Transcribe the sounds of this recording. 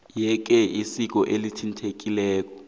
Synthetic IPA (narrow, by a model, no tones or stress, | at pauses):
jɛk̬ʼɛʔisik̬ʼɔʔelitʰintʰek̬ʼilɛːk̬ʼɔ̥